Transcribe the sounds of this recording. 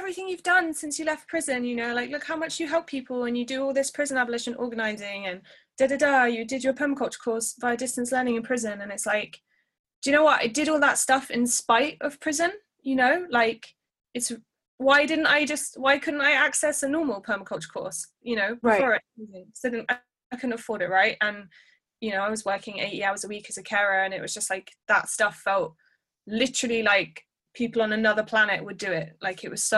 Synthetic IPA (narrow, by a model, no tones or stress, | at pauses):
ɛvɹiθɪ̃ŋjʉvdʌ̃nsɪ̃nsjɨlɛft̚pʰɹ̥ɪzə̃njɨnoʊlaɪklʊkhaʊmʌt͡ʃjɨɦɛlˠpʰiˑpʰəlˠə̃njɨdəɔːlˠðɪspʰɹ̥ɪzə̃nabəlɪʃə̃nʔɔ̰ːɡənaɪzɪ̃ŋɨ̃n | d̥ɛdədəjɨdɪdjəpʰɜːməkʰʌlˠt͡ʃə̥kʰɔɹsb̥aɪədɪstə̃nslɜːnɪ̃ŋɨ̃npʰɹ̥ɪzə̃nə̃nɪtslaɪk | d̥ɨɨnoʊwɒta̰ɪd̥ɪɾɔlˠðətstʌfɪ̃nspaɪtəv̥pʰɹ̥ɪzə̃n | jɨnoʊlaɪk | ɪts | waɪdɪdⁿn̩taɪd͡ʒʌst̚waɪkʰʊdⁿn̩taɪaksɛsənɔːməl̩ˠpʰɜːməkʰʌlˠt͡ʃə̥kʰɔ̰ˑs | jɨñoʊbɔɹizɪ̃ŋsʊdɪn̩aɪ | kʰədⁿn̩təfɔːɾɪʔ̚ɹaɪtə̃n | jɨnoʊaɪwɒzwɜˑkɪ̃ŋḛɪtiaʊəzəwiˑkəzəkʰɛɹəə̃nɪʔwɒ̰z̥d͡ʒʌst̚laɪk̚ðətstʌfɛlˠt | lɪtəɹəlˠilaɪk̚ | pʰiˑpəl̩ˠə̃nənʌðəpʰl̥anɨʔwədəɪʔ̚laɪkɪʔwɒz̥sə